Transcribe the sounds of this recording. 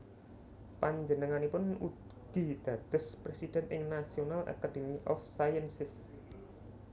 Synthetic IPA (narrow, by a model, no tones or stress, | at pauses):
paɲd͡ʒənəŋanipʊnu | ɡ̥id̪̥ä̤t̪ʊ̤spɾesid̥ɛ̤nɪŋnasionalʔa̰kademiʔɔfsajənsɪs